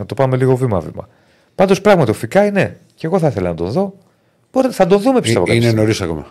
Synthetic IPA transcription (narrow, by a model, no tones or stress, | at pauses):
nɐt̪o̞pɐume̞liɣo̞vimɐ̰vḭmɐ̰ | pɐnd̪o̞spɾɐɣmɐt̪iofikɐine̞ | ceɣo̞θɐiθelɐnɐd̪o̞̰nðo̞ | b̥oɾeθɐd̪o̞nðumepist̪eoɐinenoɾisɐkomḛ